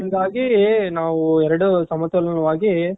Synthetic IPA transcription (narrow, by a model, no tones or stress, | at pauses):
ɐnd̪aːɣinaːʋɯɛɾɐɽɯsɐmɐt̪ɐlɐnɐʋaːɣi